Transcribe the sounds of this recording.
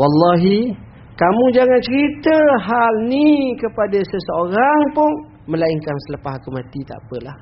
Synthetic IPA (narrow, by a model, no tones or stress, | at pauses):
wɑlːɑɦi | kamũd͡ʒaŋant͡ʃəɾit̪əɦalnikəpadasəsəoɾaŋpʊn | mə̃laiŋkansələpahakumãt̪it̪a̰ʔpəlah